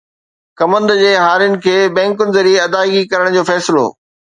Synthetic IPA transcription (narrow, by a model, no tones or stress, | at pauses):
kɐmə̃nd̪d͡ʑeːɦaːɾjʊnɪ̆kʰeːbɛ̃ːŋkʊnɪzɐɾieɐd̪aːiɡikɐɾəɽ̃d͡ʑoːfɛːsɪlo̰ː